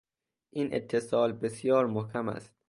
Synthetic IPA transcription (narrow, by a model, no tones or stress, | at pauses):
ʔiːnʔḛt̪ʰːe̞sɒːlbesjɒːɾmohkʲʰæmæ̰st̪